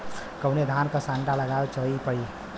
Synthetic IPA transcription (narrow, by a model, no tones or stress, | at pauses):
kəʊned̪ʱaːnkasãɳʈaləɡaːwt͡ʃəipəɽi